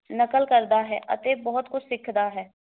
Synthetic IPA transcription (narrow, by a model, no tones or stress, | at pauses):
nəkəlkəɾd̪aːɦɛ̰ːʔə̰t̪eːbɔːɦʊt̪kʊt͡ʃʰsɪkʰd̪aːɦɛː